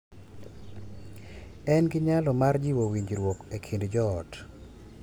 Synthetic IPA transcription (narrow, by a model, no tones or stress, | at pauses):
ɛnɡɪɲalɔmard͡ʒiwowiɲd͡ʒɾwokekʰindd͡ʒɔːt